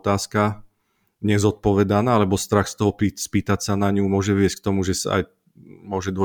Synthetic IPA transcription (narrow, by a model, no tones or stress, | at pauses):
t̪aːska | ɲɛzɔt̪̚pɔʋɛd̪anaːalɛbɔst̪ɾaxst̪ɔɦɔpispiːt̪acsanaɲumʊɔʒɛʋɪɛsck̚t̪ɔmuʒɛsa̰a̰j | mʊɔʒɛd̪ɔ